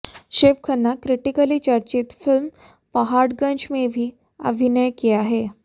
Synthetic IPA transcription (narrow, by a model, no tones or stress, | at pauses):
ɕeʋkʰənːakɾiʈikəliːt͡ɕaɾt͡ɕit̪film | pəɦaɽɡə̃ɲt͡ɕmebʱiː | ə̰bʱinəjkiaɦe